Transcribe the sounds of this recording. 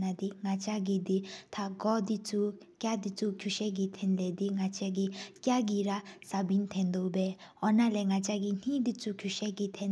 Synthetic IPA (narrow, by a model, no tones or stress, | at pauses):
nad̪iŋat͡ʃaɡid̪it̪ʰaɡɔd̪it͡su | kjad̪it͡sukʰjuʃɛɡit̪ʰɛnlɛd̪iŋat͡ʃaɡikʲjaɡiɾasabint̪ʰɛnd̪obɛɔnalɛŋat͡ʃaɡin̥id̪it͡sukʰjuʃɛɡit̪ʰɛn